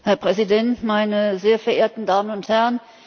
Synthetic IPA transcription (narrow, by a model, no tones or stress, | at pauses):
hɛɐpʁ̥ɛzidɛntmaɪnəzeːɐfɛɐʔeːɐtn̩daːmənʊnthɛʁən